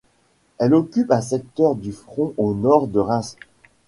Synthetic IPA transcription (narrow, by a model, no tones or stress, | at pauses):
ɛlɔkʲypɛ̃s̬ɛk̚t̪œʁd̪yfχɔ̃ʔonɔʁd̪əʁɛ̃s